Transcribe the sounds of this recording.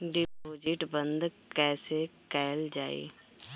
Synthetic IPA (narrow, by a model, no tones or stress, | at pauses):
ɖɪpoːd͡ʒɪʈbə̃nd̪kɛːsekɛːld͡ʒaːḭː